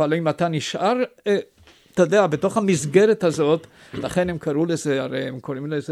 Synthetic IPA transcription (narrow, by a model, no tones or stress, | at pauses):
alimat̪aniʃʔaʁ | t̪od̪eabeto̞χhamizɡeɾethazo̞t̪ | laχenemkaʁulezeaʁejemkoɾimleze